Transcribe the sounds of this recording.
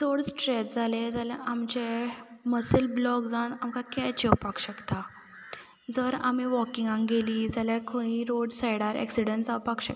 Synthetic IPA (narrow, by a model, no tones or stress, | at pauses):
d͡zoɽsʈɾɛt̪̚d͡zaled͡zalaʔamt͡ɕeməsəlblɔkd͡zanamkakɛt͡ɕɛwpakɕəkt̪a | d͡zəɾa̰miʋɔkiŋɡãŋɡeliːd͡zalakʰõĩɾoɽsajɽaɾɛ̰ksiɽəɳʈsawpakɕək